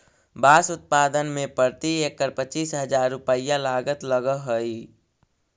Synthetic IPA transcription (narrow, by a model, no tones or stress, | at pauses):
baːsʊt̪̚paːd̪ənmẽpəɾt̪iekːəɾpət͡ʃiːsɦəd͡ʒaːɾːʊpəijãlaːɡət̪ləɡəɦoi